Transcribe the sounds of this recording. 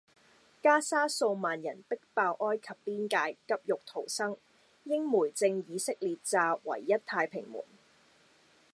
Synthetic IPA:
kaː˥saː˥so˧wmaː˨njɐ˨˩npɪ˥k̚paː˧wʔɔː˥jkʰɐ˨pːiː˥nkaː˧jkɐ˥p̚jʊ˨k̚t̪ʰo˨˩wsɐ˥ŋ | jɪ˥ŋmuː˨˩jt͡sɪ˧ŋjiː˨˧sɪ˥k̚liː˨t̚t͡saː˧wɐ̰˨˩jːɐ˥tt̪ʰaː˧jpʰɪ̰˨˩ŋmṵː˨˩n

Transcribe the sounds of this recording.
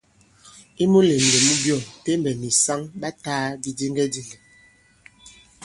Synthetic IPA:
i˦mu˦le˨ŋ˨le˨mu˦bjɔ˦˨nte˦mbɛ˨mi˨sa˦ŋba˦taː˦di˨di˦ŋɡɛ˦di˨le˨

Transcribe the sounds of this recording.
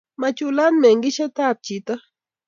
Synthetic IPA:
ma˧t͡ʃula˦nme˨ŋɡi˦ʃa˦t̪a˦p̚t͡ʃi˨t̪a˦

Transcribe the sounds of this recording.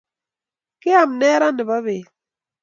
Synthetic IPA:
ke˦a˨m˨nɛː˦ɾa˦ni˨ba˦βe˨

